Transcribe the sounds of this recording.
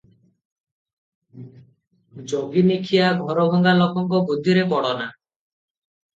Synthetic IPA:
d͡ʒoɡinikʰijaɡʱɔɾɔbʱɔŋɡalɔkɔŋkɔbud̪ʱːiɾebɔɽɔna

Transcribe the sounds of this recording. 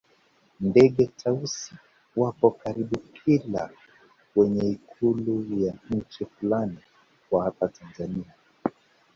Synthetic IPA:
ndɛɠɛtʰausi̥ | wapɔkaɾiɓukʰila̰ | wɛɲɛikʰulujaɲ̩t͡ʃifulani | kwahapatanzania

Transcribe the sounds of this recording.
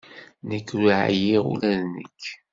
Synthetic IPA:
nəkːɾuʕjiʁṵlæðnə̰kː

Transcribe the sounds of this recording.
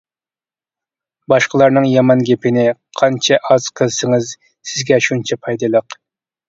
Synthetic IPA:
bɑʃqəlˠɑɾnɨŋjɑmɑnɡʲepʰɪnɪqʰɑnt͡ʃʰɛʔɑz̥qʰəlˠsɨŋɨz | sɪzɡʲɛʃunt͡ʃʰɛpʰɑjd̪ɨlˠəq

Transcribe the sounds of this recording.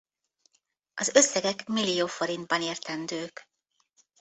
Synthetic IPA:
ɒzø̞sːɛɡɛkmilːijoːfo̞ɾind̪̚bɒneːrt̪ɛnd̪øːk

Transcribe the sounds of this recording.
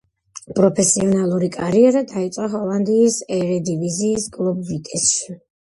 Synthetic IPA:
pʼɾɔpʰɛsiɔnalˠuɾikʼaɾiɛɾad̪ait̪sʼqʼaɦɔlˠand̪iːsɛɾɛd̪iviziːsɡlˠɔbvit̪ʼɛsʃi̥

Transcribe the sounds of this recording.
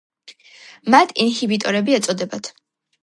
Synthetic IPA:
mat̪ʰinhibit̪ʼɔɾɛbiɛt̪sʼɔd̪ɛbat̪ʰ

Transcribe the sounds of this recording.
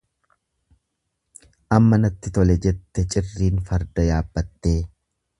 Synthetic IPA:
ʔɐmːɐnɐt̪ːɪt̪ɔlɛd͡ʒɛt̪ːɛt͡ʃʼɪrːiːnfɐɾd̪ɐjaːbːɐt̪ːe̞ː

